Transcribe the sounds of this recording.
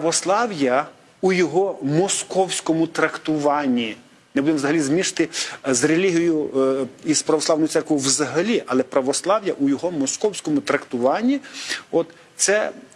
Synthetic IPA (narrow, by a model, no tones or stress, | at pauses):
pɐʋɔslˠɑwjɐ | ujɔɦɔmɔskɔwsʲkɔmʊt̪ɾɐkt̪ʊʋɑnʲːi | nɛbud̪emwzɐɦɐlʲizmʲiʃt̪ɪzrelʲiɦʲijjʊ | izpɾɐʋɔsˠɑwnɔjʊt̪ɛrkʋojʊwzɐɦɐlʲiʔɐlˠɛpɾɐʋɔslˠɑwjɐʔʊjɔɦɔmɔskɔwsʲkɔmʊt̪ɾɐkt̪ʊʋɑnʲːiɔt̪ | t̪sɛ